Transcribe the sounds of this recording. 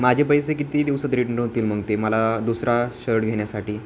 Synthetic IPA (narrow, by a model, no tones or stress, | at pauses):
mad͡ʑʱepəjsekit̪iːd̪iʋsət̪ɾiʈənəɾɦot̪iːlməŋɡt̪eməlad̪usɾaɕəɾʈɡʱeɳjasaʈiː